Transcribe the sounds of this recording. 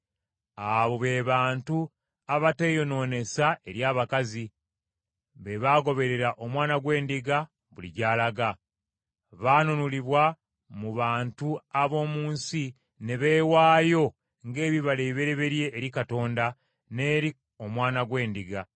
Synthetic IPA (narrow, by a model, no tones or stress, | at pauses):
aβo̞βe̞βaːntu | aβate̞ːjo̞no̞ːne̞sae̞ɾjaːβakazi | βe̞βaːɡo̞βe̞ɾe̞ɾaʔo̞mwaːnaɡwe̞ːndiɡa | βulḭɟaːlaɡa | βaːnonuliβwa | muβaːntuaβo̞ːmuːnsi | ne̞βe̞ːwaːjo̞ | ŋɡe̞ːβiβaleiβe̞ɾe̞βe̞ɾje̞ʔːɾikato̞ːnda | ne̞ːɾi | o̞mwaːnaɡwe̞ːndiɡa